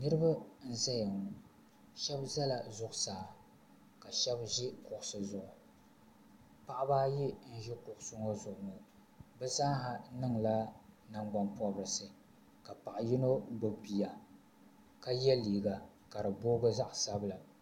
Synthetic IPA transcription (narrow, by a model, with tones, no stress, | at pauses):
nɨ˦ɾɨ˦ba˦n̩˦za˦jɛ˨ŋ˨ | ʃɛ˦bza˦la˨zʊ˨ʔʊ˨saː˨ | ka˨ʃɛ˦bʒɪ˦kʊ˨ʔʊ˨sɨ˨zʊ˦ʔʊ˨ | pa˦ʔbaː˦ji˦n̩˦ʒɪ˦kʊ˨ʔʊ˨sʊ˦ŋo˦zʊ˨ʔʊ˨ŋo˨ | bɛ˦za˦ɦa˨nɨ˦ŋla˦na˦ŋɡ͡ba˦npɔ˦bɨ˨ɾɨ˨sɨ˨ | ka˨pa˨ʔji˦no˦bo˨pi˨ja˨ | ka˦jɛ˦liː˨ɡa˨ | ka˨ɾɨ˨boː˦ɡɨ˦za˦ʔsa˦bɨ˦˨la˨